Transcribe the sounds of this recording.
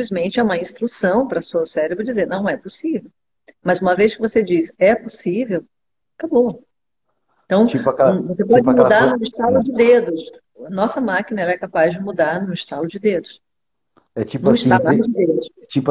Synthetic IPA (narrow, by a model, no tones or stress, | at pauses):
plizmẽnt͡ʃɪɛũmɐĩst̪ɾusɐ̃w̃pɾɐsuɐsɛɾebɾʊd͡ʒizeɾnɐ̃w̃ɛposivew | mɐzũmɐvejskɪvosed͡ʒisɛposivew | kabo | t̪ɐ̃w̃t͡ʃipɐkvosepɔd͡ʒɪmud̪anʊ̃iʃt̪alʊd͡ʒɪd̪ed̪ʊs | ɐnɔsɐmakinɐɛlɐɛkapazd͡ʒɪmud̪aɾnʊ̃iʃt̪alʊd͡ʒɪd̪ed̪ʊs | ɛt͡ʃipniʃt̪aʊd͡ʒɪd̪ed̪ʊst͡ʃip